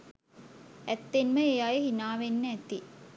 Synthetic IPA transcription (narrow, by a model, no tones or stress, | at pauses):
æt̪ːenməejajeɦinaːʋenːəæt̪i